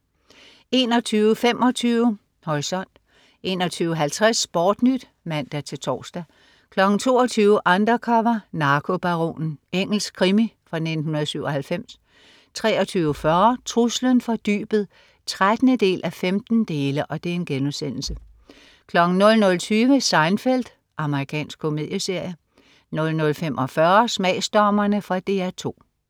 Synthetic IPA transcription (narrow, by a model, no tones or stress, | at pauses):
e̝̰ːnɒt͡sʰyːʊfemʔɒ̽t͡sʰyːʊə | hɒʁisɒ̽n̰d̥ | e̝ːnɒ̽t͡sʰyːʊəɦælt͡sʰʁasb̥ɒːd̥nyd̥ | mæn̰d̥æt͡sʰe̝lt͡sʰɒ̰ːsd̥æ | kʰlɒ̽ɡ̥ŋ̩t͡sʰo̝̰ːɐt͡sʰyːʊəʔɑnd̥ɐkʰɒmɐnɑ̈ːkʰo̝b̥ɑʁo̝̰ːnn̩eŋ̰l̩skʰʁimifʁɑ̈ne̝d̥n̩hunɐð̩ˠsyʊ̰ɒ̽hælfem̰s | t͡sʰʁɛːɒt͡sʰyːʊəfɶɐt͡sʰʁuslənfɒ̽d̥y̰ːb̥ð̞̩ˠ | t͡sʰʁad̥nəd̥e̝̰ːlʔæfemd̥n̩d̥e̝ːləʔɒ̽d̥e̝æɐe̝nɡ̥enusen̰l̩sə | kʰlɒ̽ɡ̥ŋ̩nɔ̽lnɔ̽lt͡sʰyːʋəsɑ̈ɪnfel̰d̥ | ʔɑ̈məʁikʰɛ̰ːnsɡ̥̚kʰo̝me̝ð̰ˠjəse̝ɐ̰jə | nɔ̽lnɔ̽lfem̰ʔɒfɶɐsmɛ̰ːsd̥ɒːmɐnəfʁɑ̈d̥e̝ːæt͡sʰo̝̰ː